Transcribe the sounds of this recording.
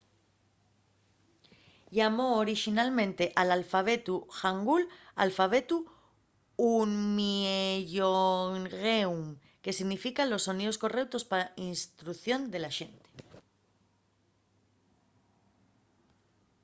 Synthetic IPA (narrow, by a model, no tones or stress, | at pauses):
ʎamo̞ːɾiʃinalmẽ̞nt̪e̞ʔalalfaβ̞e̞t̪uxaŋɡula̰lfaβ̞e̞t̪u | unmieʎoŋɣewm | ke̞siɣnifikalo̞sːo̞niðo̞sko̞rewt̪o̞spaainst̪ɾuθjo̞nd̪e̞laʃe̞nt̪e̥